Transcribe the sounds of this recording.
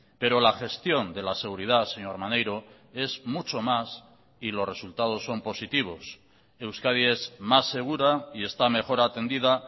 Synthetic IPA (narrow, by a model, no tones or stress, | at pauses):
pe̞ɾo̞laxe̞st̪jo̞nd̪e̞lase̞ɣ̞uɾið̞ase̞ɲo̞ɾmanejɾo̞ | e̞zmut͡ʃo̞mas | ilo̞re̞sult̪að̞o̞sːo̞mpo̞sit̪iβ̞o̞s | e̞wskað̞ie̞zmasːe̞ɣ̞uɾaie̞st̪ame̞xo̞ɾaːt̪e̞nd̪iða